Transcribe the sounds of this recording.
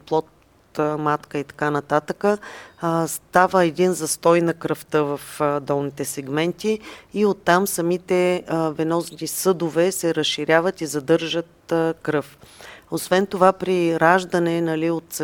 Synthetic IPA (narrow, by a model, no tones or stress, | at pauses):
plˠɔt̪̚ | t̪mat̪kəit̪ɐ̥kanɐt̪at̪əkə | st̪avəɛd̪inzɐst̪ɔjnɐkɾəft̪ɤvɐfd̪ɔlˠnit̪ɛsɛɡmɛnt̪iːot̪ːamsɐmit̪ɛvɛnɔznisɤd̪ovɛsɛɾəsʃiɾʲavət̪izɐd̪ɤɾʒət̪̚kɾɤfosvɛnt̪ovapɾiɾaʒd̪ɐnɛnɐliot̪s